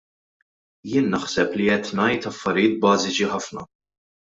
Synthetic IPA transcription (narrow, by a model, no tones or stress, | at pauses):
jɪːnːɐħsɛpliɛt̪nɐjt̪ɐfːɐɾɪjɪːt̪̚bɐːzɪt͡ʃiħɐfnɐ̰